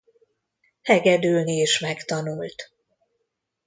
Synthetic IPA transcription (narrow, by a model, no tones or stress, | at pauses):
hɛɡɛd̪yːlnieːʃmɛkt̪ɒnult̪